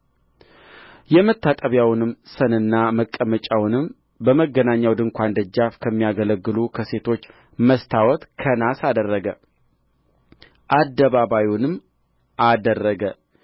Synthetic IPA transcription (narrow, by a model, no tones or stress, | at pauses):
jɛmət̪ːat̪ʼəβjawnɨmsənɨnːaməkʼːəmət͡ʃʼawnɨm | bəməɡːənaɲːawd̪ɨŋkʷand̪əd͡ʒːafkʰəmːijaɡələɡːɨlukʰəse̞t̪ʰo̞t͡ʃː | məst̪ʰawɔt̪kʰənasad̪ərːəɡə | ʔad̪ːəβaβajunɨm | ad̪ərːəɡə